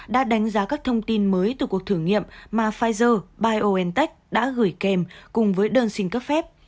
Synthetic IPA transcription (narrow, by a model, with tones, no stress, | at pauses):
ɗa̰ː˧˥ɗa˨˦jŋ̟zaː˨˦kaː˦˥k̚t̪ʰə˧wŋ͡mt̪i˧nməː˨˦jt̪ɨ˨˩ku˨˩ək̚t̪ʰɨ˧˩əŋḭ˧˨ə˨mmaː˨˩faː˧jzəː˧ɓaː˧jʔo˧ʔɛ˧nt̪ɛ˦˥jk̟̚ɗa̰ː˧˥ɣɨ˧˩jkɛ˧mkʊ˨˩ŋ͡mvəː˨˦jɗəː˧nsï˧ŋ̟kə˦˥p̚fɛ˦˥p̚